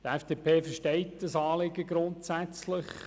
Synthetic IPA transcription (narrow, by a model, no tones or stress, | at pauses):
t̪ɛfd̥eːpʰeːfəʃtɛɪtd̥ɑsɑːlɪɡəɡɾʊntsæt͡slɪχ